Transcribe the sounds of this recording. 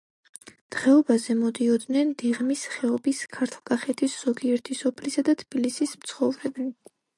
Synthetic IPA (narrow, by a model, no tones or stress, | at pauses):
d̪̥ʁɛɔbazɛmɔd̪iɔd̪nɛnd̪iʁmisχɛɔbiskʰaɾt̪ʰlˠkʼaχɛt̪ʰisz̥ɔɡiɛɾt̪ʰisɔpʰlisad̪at̪ʰb̥ilisismt̪sʰχɔvɾɛbni